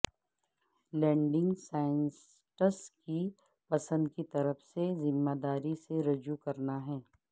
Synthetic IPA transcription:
lɛ̃ːɳɖɪ̃ŋɡsaːɪns | ʈəski | pɐsə̃nd̪kit̪ɐɾəfsezɪmːaːd̪aːɾiseɾɐd͡ʒukɐɾnaɦɛː

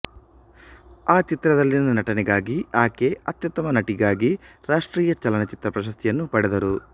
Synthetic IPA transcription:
aːt͡ʃit̪ɾɐd̪ɐlːinɐnɐʈɐnɛɡaːɡiaːkeɐt̪jɐt̪ːɐmɐnɐʈiɡaːɡiɾaːʂʈɾiːjɐt͡ʃɐlɐnɐt͡ʃit̪ɾɐpɾɐʃ̬ɐst̪ʰijɐnːupɐɽɛd̪ɐɾu

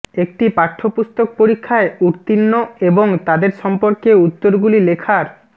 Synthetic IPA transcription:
ek̚ʈipaʈʰːopust̪ok̚poɾikʰːaeuɾt̪inːoeboŋt̪ad̪eɾʃɔmpoɾkeut̪ːoɾɡulilekʰaɾ

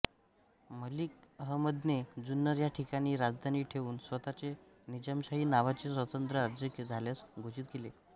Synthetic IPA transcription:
məlik̚əɦəməd̪ʱned͡zunːəɾjaʈʰikañiːɾad͡zd̪ʱaniːʈʰeʋuːnsʋət̪at͡se | nid͡ʑəmɕaɦiːnaʋat͡sesʋət̪ənt̪ɾəaɾd͡ʑjəkəd͡zʱaljasɡʱot͡ɕit̪̚kele

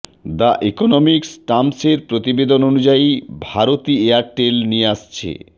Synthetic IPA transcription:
d̪aʔekonomiksʈamseɾpɾot̪ibed̪ononud͡ʑaibʱaɾot̪ieaɾʈelnieaʃt͡ɕʰḛ

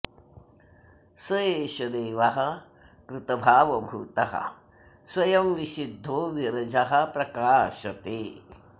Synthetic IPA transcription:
sɐjeːʃɐd̪eːʋɐɦɐ | kɾɪt̪ɐbʱaːʋɐbʱuːt̪ɐɦɐ̰ | swɐjɐmʋiʃid̪ʱːoːʋiɾɐd͡ʒɐɦɐ̆pɾɐkaːʃɐt̪eː

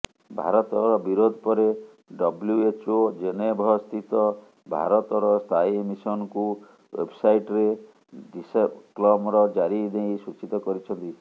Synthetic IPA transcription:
bʱa̰ɾɔt̪ɔɾɔbiɾod̪ʱɔpɔɾe | ɖɔbljuet͡ʃod͡ʒenebʱɔst̪it̪ɔ | bʱa̰ɾɔt̪ɔɾɔst̪ʰajemisɔnɔku | wḛbsajʈɾe | ɖisepklɔmɔɾɔd͡ʒaɾid̪eĩsut͡ʃit̪ɔkɔɾit͡ʃʰɔnt̪i

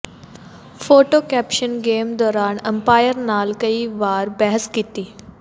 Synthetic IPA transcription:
foʈokæpɕənɡemd̪ɔːɾaɳəmpajəɾnalkəiːʋaɾbɛɦəskit̪iː

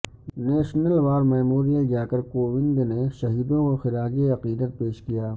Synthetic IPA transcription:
neːʃnəlʋaːɾmeːmoːɾijəld͡ʒaːkɐɾkoːwɪ̃ndneʃɐɦiːd̪õɔːɾxɪɾaːd͡ʒeɐqiːd̪ət̪̚peːʃkijaː

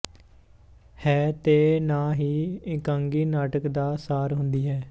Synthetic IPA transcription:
hɛːt̪eːnaːɦiːɪkaːŋɡiːnaːʈəkd̪aːsaːɾɦʊnd̪iːɦɛː

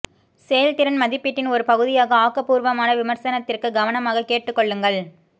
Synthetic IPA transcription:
seːjɐlt̪ɪɾɐnmɐðɪpːɪʈːɪnɔɾɯpɐɣɯðɪjaːɣɐaːkɐpuːɾʋɐmaːnɐʋɪmɐɾsɐnɐt̪ːɪrkɯɡɐʋɐnɐmaːɣɐkːeːʈːɯkːɔɭːɯŋɡɐɭ

